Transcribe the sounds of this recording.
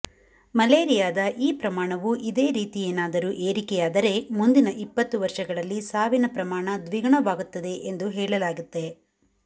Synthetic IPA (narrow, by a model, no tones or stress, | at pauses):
mɐleːɾijaːd̪ɐʔiːpɾɐmaːɳɐʋuʔid̪e̞ːɾiːt̪ijeːnaːd̪ɐɾuːʔeːɾikɛjaːd̪ɐɾe̞mund̪inɐʔipːɐt̪ːuʋɐɾʂɐɡɐɭɐlːisaːʋinɐpɾɐmaːɳɐd̪ʋiɡɐɳɐʋaːɡut̪ːɐd̪e̞ʔend̪uɦɛːɭɐlaːɡut̪ːe̞